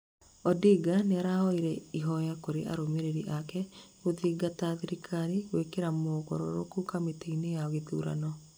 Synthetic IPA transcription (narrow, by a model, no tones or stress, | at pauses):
ɔdiːɡaneaɾaɔiɾɛiɦɔjakoɾeʔa̰ɾomeɾeɾiʔakɛ | oðiɡataðiɾikʰaɾiɣwekeɾamokɔ̰ɾɔ̰ɾo̰kukameteinejaɔɣetuːɾa̰nɔ